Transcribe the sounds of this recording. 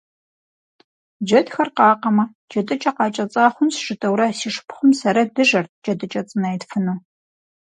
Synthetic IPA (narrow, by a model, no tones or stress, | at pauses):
d͡ʒɐdxɐrqɑːqɐmɐ | d͡ʒɐtʼɨt͡ʃʼɐqɑːt͡ʃʼɐt͡sʼaːχʷʊnsʒɨtʼɐwɾɐsiːʂpχʷʊmsɐɾɐdɨʒɐr̚d͡ʒɐdɨt͡ʃʼɐt͡sʼɨnɐjtfɨnuː